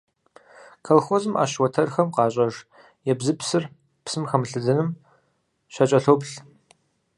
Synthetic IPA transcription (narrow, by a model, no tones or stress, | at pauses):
kʰɐlxozɨmʔa̰ːʃwɔtʰɐrxɐmqɑːɕʼɐʒ | jɛbzɨpsɨr | psɨmxɐmɬɨzɐnɨm | ɕʷɐt͡ʃʼɐɬowpɬ